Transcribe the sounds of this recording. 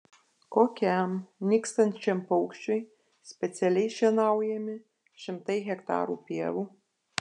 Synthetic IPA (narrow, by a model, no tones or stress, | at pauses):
kokʲɛmnʲɪkst̪ɐnʲt͡ʃʲɛmpɔʊkʃʲt͡ʃʲoj | sʲpʲɛt̪sʲɛlʲɛjʃʲɛnɑˑʊjɛmʲɪ | ʃʲɪmt̪ɐɪɣʲɛkt̪ɑ̰ːɾuːpʲiɛʋu